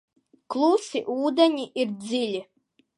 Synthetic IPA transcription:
klˠusiʔuːd̪aɲiʔiɾd͡ziʎʲi

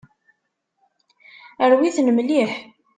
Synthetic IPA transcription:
əɾwiθnəmliħ

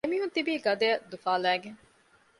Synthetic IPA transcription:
emiɦut̪ibiːɡɐd̪ejɐd̪ufaːlæːɡeŋ

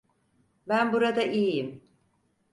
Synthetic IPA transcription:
bænbuɾad̪aʔijijim

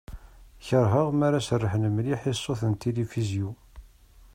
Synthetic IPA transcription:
çəɾˤɦəʁmaɾasərːəħnəməliħisˤːoθənt̪elifizju

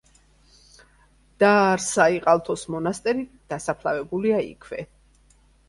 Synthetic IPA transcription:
d̪̥aɾsaiqʼalˠt̪ʰɔsmɔnast̪ʼɛɾid̪̥asapʰlˠavɛbuliaḭkʰvɛ

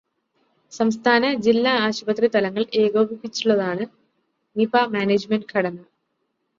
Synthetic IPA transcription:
sɐmst̪ʰaːnɐd͡ʑilːaaːɕubɐt̪rit̪ɐlɐŋːɐɭe̞ːɡoːbipːit͡ɕːuɭːɐðaːɳɨ | nipamaːneːd͡ʑmenɖkʰɐɽɐnːɐ

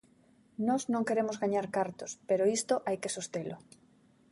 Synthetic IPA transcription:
nɔznõŋkeɾemozɣaɲaɾkaɾt̪ospeɾoist̪oʔajkesost̪elʊ

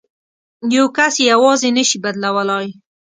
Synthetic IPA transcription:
jawkasjawɑzenəʃibad̪lawəlɑj

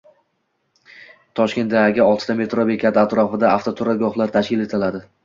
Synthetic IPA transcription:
t̪ʰɒʃkʲe̞nt̪̚d̪ajaɡʲɪɒlˠt̪ʰɪ̥t̪ame̞t̪ɾobekʰʲat̪ɪat̪ɾɒfɪd̪aaft̪ʰot̪ʰʊɾaɡɒχlˠaɾt̪ʰaʃkʲɪle̞t̪ʰɪlad̪ɪ

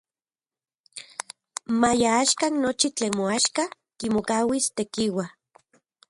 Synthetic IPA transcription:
majaaʃkannot͡ʃit͡ɬeːnmoaʃka | kimokawist̪ekiwa

